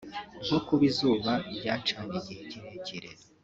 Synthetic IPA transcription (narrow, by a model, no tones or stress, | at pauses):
ɡokuβizuːβabɟaːt͡ʃaɲijiheɟiɾeɟiɾḛ